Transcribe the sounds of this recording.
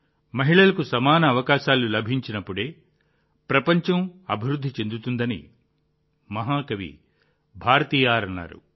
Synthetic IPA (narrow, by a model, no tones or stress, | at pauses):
mɐɦiɭɐlɐkusɐmaːnɐːʋɐkaːʃaːlulɐbʱiɲt͡ʃinɐpːuɽeː | pɾɐpɐɲt͡ʃɐmɐ̰bʱiɾud̪ʱːit͡ʃe̞nd̪ut̪und̪ɐnḭ | mɐɦaːkɐʋḭ | bʱaːɾɐt̪iːjaːɾɐnːa̰ːɾṵ